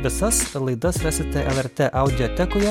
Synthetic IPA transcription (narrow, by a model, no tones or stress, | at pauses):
ʋʲɪsɐslˠɐɪd̪ɐsʋʲæːsʲɪt̪ʲɛʔɛlˠɛɾʲt̪ʲeʔɐʊd̪ʲɪjɔt̪ʲɛkʊjɛ